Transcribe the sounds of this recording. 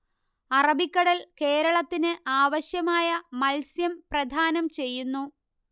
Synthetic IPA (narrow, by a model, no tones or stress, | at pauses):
ɐrɐbʱikʲːɐɽɐlke̞ːɾɐɭɐt̪ːinɨʔaːʋɐɕjɐmaːjɐmɐlsjɐmprɐd̪ʱaːnɐmt͡ɕe̞jːunːu